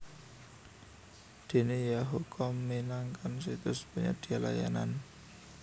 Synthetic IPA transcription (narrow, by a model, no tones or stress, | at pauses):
d̪̥e̤nejaɦukʰɔmːinaŋkʰansit̪ʊspuɲa̰d̪̥i̤ala̰ja̰na̰n